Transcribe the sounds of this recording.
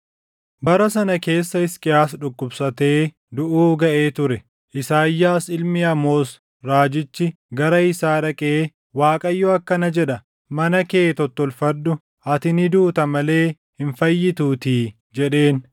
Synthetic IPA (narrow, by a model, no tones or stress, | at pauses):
bɐɾɐsɐnɐke̞ːsːɐɪskʼɪjaːsᶑʊkʼːʊbsɐt̪e̞ː | d̪ʊʔuːɡɐʔe̞ːt̪ʊɾɛ | ʔɪsaːjːaːsɪlmɪɐmo̞ːs | ɾaːd͡ʒɪt͡ʃːɪ | ɡɐɾɐɪsaːᶑɐkʼeː | waːkʼɐjːɔɐkːɐnɐd͡ʒɛᶑɐ | mɐnɐkeːt̪ɔt̪ːɔlfɐd̪ːʊ | ɐt̪ɪnɪd̪uːt̪ɐmɐle̞ː | hɪnfɐjːɪt̪uːt̪iː | d͡ʒɛɗe̞ːn